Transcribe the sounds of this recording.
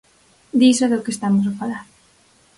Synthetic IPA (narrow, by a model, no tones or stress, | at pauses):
d̪isoðokest̪amos̬afalaɾ